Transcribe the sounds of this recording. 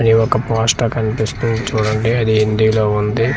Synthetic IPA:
ɐniʋɔkɐpaːsʈɐkɐnipist̪und̪it͡ʃuːɽɐɳɖiɐd̪iind̪iloːund̪i

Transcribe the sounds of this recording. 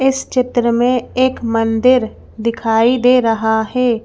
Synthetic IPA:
ɪst͡ʃɪt̪ɾəmẽeːkmə̃nd̪ɪɾ | d̪ɪkʰaːid̪eːɾɐɦahɛː

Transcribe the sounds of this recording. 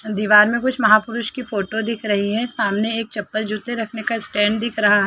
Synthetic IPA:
d̪iːʋaːɾmẽkʊt͡ʃʰmɐɦaːpʊɾʊʃkifoːʈod̪ɪkʰɾɐɦiɦɛ̃saːmneeːk̚t͡ʃɐpːəld͡ʒut̪eɾɐkʰnekaɪsʈɛ̃ːɳɖd̪ɪkʰɾɐɦaɦɛː

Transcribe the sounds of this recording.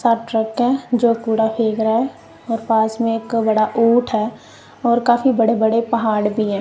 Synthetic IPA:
saːʈɾəkɦɛ̃ːd͡ʒoːkuːɽapʰeːɡɾaɦɛ | ɔːɾpaːsmẽeːkbəɽaʔuːʈʰɦɛː | ɔːɾkaːfibəɽebəɽepɐɦaːɽbʱiɦɛ̃ː

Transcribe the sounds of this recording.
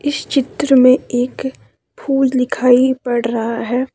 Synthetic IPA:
ɪst͡ʃɪt̪ɾəmẽeːk | pʰuːd͡ʒd̪ɪkʰaːipɐɽɾɐɦaɦɛː

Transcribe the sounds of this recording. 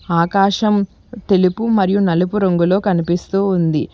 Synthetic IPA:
aːkaːʃɐm | t̪e̞lipumɐɾijunɐlupuɾoŋɡulo̞ːkɐnipist̪uːund̪i

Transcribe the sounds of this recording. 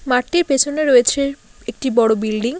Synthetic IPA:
maʈːiɾpet͡ɕʰoneɾojet͡ɕʰeek̚ʈibɔɽobilɖiŋ

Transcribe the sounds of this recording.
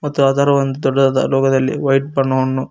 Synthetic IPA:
mɐt̪ːuaːd̪aːɾɐʋɐnd̪ud̪ɔɖːɐɐd̪ɐ̰lɔːɡɐd̪ɐlːḭʋɐjʈ̚bɐɳːɐʋɐnːu

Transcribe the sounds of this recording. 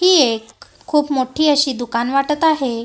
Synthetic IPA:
ɦiːekʰː | uːpmoʈʰiːəɕiːd̪ukanʋaʈət̪aɦe

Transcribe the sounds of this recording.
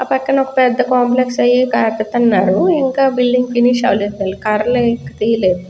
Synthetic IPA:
ɐpɐkːɐnɔkɐ̥pɛd̪ːɐkaːmpleksɐjikat̪ɐt̪ːɐnːaːɾuiŋkaːbilɖiŋɡfiniʃɐ̰ʋlid̪ɐlikɐɾleikkːɐt̪iːjleːd̪u

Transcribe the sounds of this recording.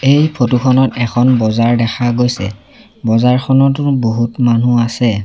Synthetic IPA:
ejpʰotuxɔnɔtɛkʰɔnbɔzaɹdɛxʰaɡojsɛ̰ | bɔzaɹxʰɔnɔtʊboɦutmanuasɛ

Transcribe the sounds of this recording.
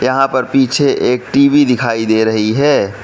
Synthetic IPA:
jɐɦãpɐɾpiːt͡ʃʰeʔeːk̚ʈiːʋid̪ɪkʰaːid̪eːɾɐɦiɦɛː

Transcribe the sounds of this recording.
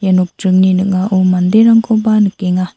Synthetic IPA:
januk̚tɾɯŋninɯk̚ŋaʔomand̪eɾaŋkʰɔbanɯkeŋa

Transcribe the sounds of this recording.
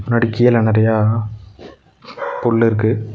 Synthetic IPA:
nɐɽɪkːɪjɐlɐnɐɾɐjaː | pɔɭːɪɾɯkːɯ

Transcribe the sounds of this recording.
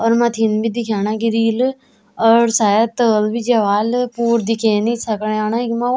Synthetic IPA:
ɔːɾmɐt̪ʰiːnbid̪ɪkʰaːñaːɡiɾiːl | ɔːɾsaːət̪əːlbʱid͡ʒɐʋaːlpuːɾd̪ɪkʰeːnĩsəkneaːnaːɪkmã

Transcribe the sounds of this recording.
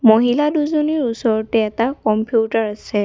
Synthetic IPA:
moɦiladuzoniɹusɔɹɔtɛːtakɔmpjutaɹasɛ

